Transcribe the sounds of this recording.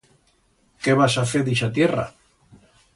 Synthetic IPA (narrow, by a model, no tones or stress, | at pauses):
keβasaθeɾðiʃat̪jera̰